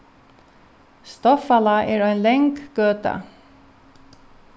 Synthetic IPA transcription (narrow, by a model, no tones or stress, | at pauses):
st̪ɔfɑlɑʔeːɾoːeːnlɛŋɡɡ̥øːt̪ɑ̰